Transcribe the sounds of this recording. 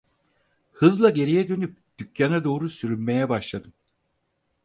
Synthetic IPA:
hɯzlˠaɟe̞ɾijɛd̪ø̞nyp̚d̪̥ycːanad̪o̞ːɾusyɾynme̞jɛbaʃlˠad̪ɯm

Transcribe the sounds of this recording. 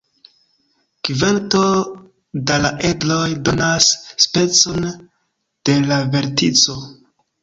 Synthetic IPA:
kivanto̞ | dalaʔedlo̞jdo̞nasːpe̞t͡so̞n | d̥e̞lave̞ɾtit͡so̞

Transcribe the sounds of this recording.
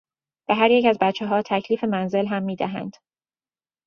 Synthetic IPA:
b̥eɦæɾjecæzbæt̪t͡ʃʰːeɦɒːt̪ʰæcʰliːfe̞mænze̞lɦæmːiːd̪æɦæ̰nd̪̥

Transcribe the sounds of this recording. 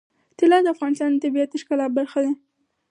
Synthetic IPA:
t̪ɪlɑd̪əafɣɑnɪst̪ɑnd̪ət̪abiat̪ɪʃkalɑbaɾxad̪e

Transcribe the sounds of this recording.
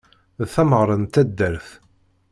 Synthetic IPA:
ðθæməʁɾˤənt̪æd̪ːəɾθ

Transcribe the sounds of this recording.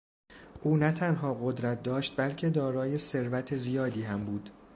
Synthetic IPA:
ʔuːnæt̪ʰænɦɒːɣod̪ɾæt̪̚d̪ɒːʃt̪̚bælcʰe̞d̪ɒːɾɒːje̞se̞ɾvæt̪ʰezijɒːd̪iːhæmbuːd̪̥

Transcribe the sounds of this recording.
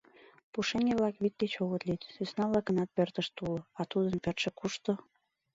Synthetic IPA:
puʃeŋʲeβlɑkβit̪̚ɡet͡ɕoɣət̪lit̪sysnɑβlɑkənɑt̪̚pørt̪əʃt̪uloɑt̪ud̪ənpørt̪ʃĕkuʃt̪o

